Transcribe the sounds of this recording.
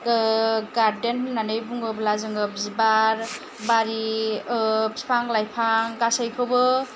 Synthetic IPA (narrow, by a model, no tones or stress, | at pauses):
ɡaɾdennanɯjbuŋɡɯblazɯŋɯp̚zibaɾ | baɾi | spʰaŋlajpʰaŋɡasajkʰɯwbɯ